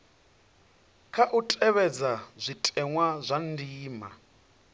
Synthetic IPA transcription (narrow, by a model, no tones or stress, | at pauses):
kʰaʔutʼɛβɛd͡zazʷitʼɛŋwazʷandiːma̰